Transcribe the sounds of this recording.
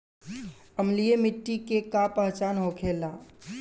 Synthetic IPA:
əmlijemɪʈːikekapəɦt͡ʃaːnɦokʰeːlaː

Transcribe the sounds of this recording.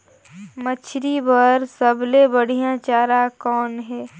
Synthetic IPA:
mət͡ʃʰɾibəɾsəblebəɽ̤ijãt͡ʃaːɾakɔːnɦɛː

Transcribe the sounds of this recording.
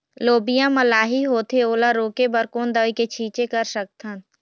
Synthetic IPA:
loːbijãməlaːɦiɦoːt̪ʰeoːlaɾoːkebəɾkoːnd̪əʋiket͡ʃʰiːt͡ʃekəɾsək̚t̪ʰən

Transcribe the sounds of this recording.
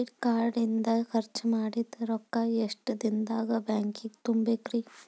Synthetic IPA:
ʈkaːɾɖind̪ɐxɐɾt͡ʃɐmaːɽit̪ɐɾɔkːaeʂʈɐd̪ind̪aːɡɐbaːŋkiɡt̪umbekɾiː

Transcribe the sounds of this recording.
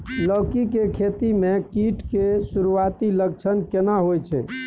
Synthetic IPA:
ləkikekʰet̪imekiʈkesuɾuat̪ilək̚t͡ʃʰənkenaɦojt͡ʃʰɛ̰

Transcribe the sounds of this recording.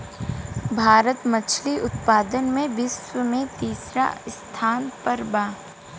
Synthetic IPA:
bʱaːɾət̪mət͡ʃʰliʔʊt̪paːd̪ənmẽbɪswəmẽt̪iːsɾa̰st̪ʰaːnpəɾbaː

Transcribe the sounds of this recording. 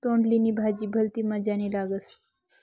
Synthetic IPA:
t̪oɳɖliniːbʱad͡ʑiːbʱəlt̪imad͡ʑanilaɡəs

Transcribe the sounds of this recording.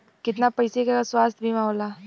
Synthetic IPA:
kɪt̪napɐjsekakaswaːst̪ʰbʱimãɦola

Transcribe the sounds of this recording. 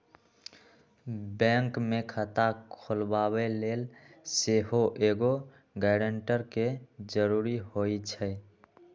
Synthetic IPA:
bɛ̃ːŋkmekʰət̪akʰolbaːweleːlseɦoʔeːɡo | ɡɛɖəɳʈəɾked͡ʒəɾuɾiɦoit͡ʃʰɛ

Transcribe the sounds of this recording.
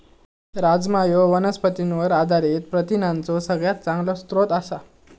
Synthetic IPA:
ɾad͡zmajoʋənəspət̪inʋəɾad̪ʱaɾiːt̪pɾət̪inãnt͡sɔsəɡɭjat̪̚t͡saŋɡlɔst̪ɾot̪asa

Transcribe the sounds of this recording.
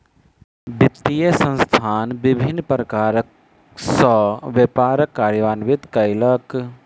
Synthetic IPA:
bit̪ːijesə̃nst̪ʰaːnbibʱinːpɾəkaːɾək | səʋepaːɾəkːaːɾjəʋaːnʋit̪kɐɪlək

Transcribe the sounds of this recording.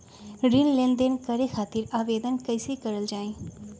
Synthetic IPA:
ɾinlẽːnd̪enkəɾekʰaːt̪ɪɾaːʋeːd̪ənkəɪsekəɾəld͡ʒaːĩː

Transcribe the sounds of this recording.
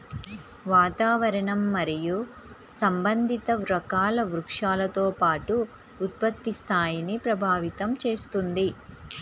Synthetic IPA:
ʋaːt̪aːʋɐɾɐɳɐmːɐɾiju | sɐmbɐnd̪ʱit̪ɐʋɾɐkaːlɐʋɾukʂaːlɐt̪oːpaːʈuː | t̪̚pɐt̪ːist̪ʰaːjinipɾɐbʱaːʋit̪ɐmt͡ʃeːst̪und̪i

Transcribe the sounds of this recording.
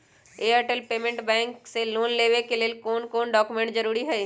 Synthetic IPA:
eəɾʈəlpeːmẽɳʈbɛ̃ːŋkseloːnleːʋekeleːlkoːnkoːnɖɔːkumẽɳʈd͡ʒəɾuːɾiɦɛe

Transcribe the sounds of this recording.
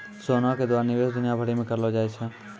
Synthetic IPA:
sonaked̪ʋaɾniʋesd̪ʊnjabʱəɽimẽkəɾlod͡ʒajt͡ʃʰe

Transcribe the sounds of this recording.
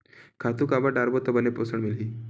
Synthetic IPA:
kʰat̪uːkabaɖaɾbot̪ːəbəneposəɳmilɦiː

